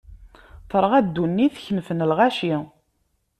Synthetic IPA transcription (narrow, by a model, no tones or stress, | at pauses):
θəɾˤʁæd̪ːunːiθçnfənəlʁaʃi